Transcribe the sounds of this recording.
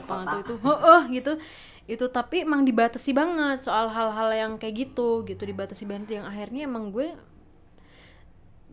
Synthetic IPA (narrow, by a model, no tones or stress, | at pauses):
paŋat̪uit̪uɦoʔɔhɡit̪u | it̪ut̪apiemaŋdibat̪asibaŋət̪soalɦalɦaljaŋkajaʔɡit̪uɡit̪udibat̪asibaŋət̪jaŋaɦirɲaemaŋɡuɛ